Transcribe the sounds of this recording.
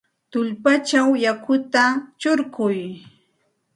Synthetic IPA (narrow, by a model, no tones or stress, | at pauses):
t̪ʊʎpat͡ʃawjakʊt̪at͡ʃʊɾkʊj